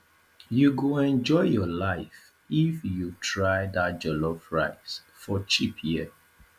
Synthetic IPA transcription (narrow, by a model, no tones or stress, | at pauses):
juɡoɛ̃nd͡ʒɔɪjɔlaɪf | ifjutʰɹaɪdat̚d͡ʒɔlɔfɹaɪs | fɔt͡ʃipʰjiə